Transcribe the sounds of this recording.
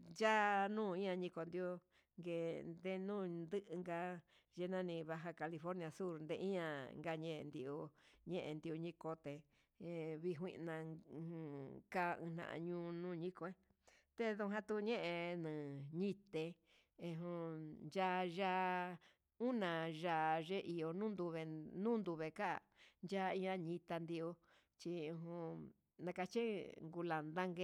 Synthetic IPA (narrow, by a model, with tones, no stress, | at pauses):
d͡ʒa˦nũː˦˨ĩ˦ã˧ɲĩ˧ko˧nd̪jo˧ | ŋɡe˧nd̪e˧nũː˦˨nd̪ɨ˦ʔɨ˧ŋɡa˧ | ʒe˧nã˦nĩ˧βa˧ɦa˧ka˧li˧fo˦ɾnĩ˧a˧su˦ɾnd̪ḛ˧ʔĩ˦ɲã˧ŋɡa˧ɲẽ˦˧nd̪i˧ʔo˧ɲẽ˦ʔḛ˧nd̪i˧u˧ɲĩ˧ko˧t̪e˧ | βi˧ɦwḭ̃˧ʔnã˧ | ka˦˧ɨ̰̃˧n̥ã̰˧˨ʔã̰˧ɲũː˧˦nũː˦˨ɲĩ˦ko˧e˦ | t̪e˦ðu˧ɦã˧t̪u˧ɲẽ˦ʔẽ˧nɨ̃˨ɲĩ˦t̪e˧ | ẽ˧ɦũ˧nd͡ʒa˧ʒa˦˧ | u˦nã˨ʒa˧˨ʐe˦ʔi˨jo˧nũː˦nd̪u˧βe˧nũ˦nd̪u˧βe˧ka̰˦˨nd͡ʒa˦˧ĩ˧ã˧ɲĩ˧t̪a˧nd̪i˧o˧ | t͡ʃi˧ũ˧ɦũ˧ | nã˧ka˧t͡ʃi˦ŋɡu˧la˨nd̪a˦ŋɡe˧